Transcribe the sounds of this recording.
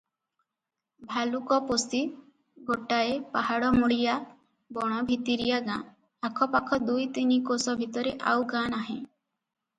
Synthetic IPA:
bʱalukɔposi | ɡoʈaepaɦaɽɔmuɽija | bɔɽ̃ɔbʱit̪iɾijaɡã̰ | akʰɔpakʰɔd̪ujt̪inikosɔbʱit̪ɔɾeʔa̰wɡanaɦẽ

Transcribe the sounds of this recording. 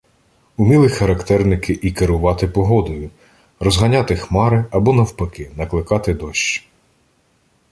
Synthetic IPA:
ʊmʲilˠɪxɐɾɐkt̪ɛrnɪkɪʔikeɾʊʋɑt̪ɪpɔɦɔd̪ɔjʊ | rɔzɦɐnʲɑt̪ɪxmɑɾɪɐbɔnɐwpɐkɪnɐklˠɪkɑt̪ɪd̪ɔʃt͡ʃi̥

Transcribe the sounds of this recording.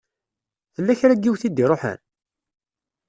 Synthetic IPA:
θəlːæçɾæɡːiwθid̪ːiɾˤoħæ̰n

